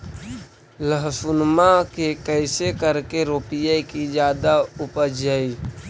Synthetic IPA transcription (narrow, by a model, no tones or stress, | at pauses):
ləɦsʊnmakekəɪsekəɾkeɾoːpijekid͡ʒjaːd̪aʊpəd͡ʒəi